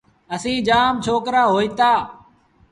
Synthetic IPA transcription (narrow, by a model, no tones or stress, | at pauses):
əsĩːd͡ʒaːmt͡ʃʰoːkɾaːɦoːiːt̪aː